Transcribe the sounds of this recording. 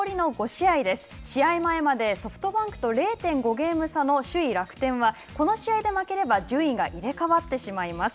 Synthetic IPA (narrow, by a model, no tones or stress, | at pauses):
ɾʲino̞ɡo̞ɕiaid̪e̞sɨ̥ɕiaimae̞mad̪e̞so̞ɸɯ̟̥t̪o̞bãŋkɯ̟̥t̪o̞ɾe̞ːt̪ẽ̞ŋɡo̞ɡe̞ːmɯ̟sano̞ɕɨiɾakɯ̟̥t̪ẽ̞ɰ̃βa | ko̞no̞ɕiaid̪e̞make̞ɾe̞bad͡ʑɨːĩŋɡaʔiɾe̞kaβat̪ːe̞ɕimaimasɨ̥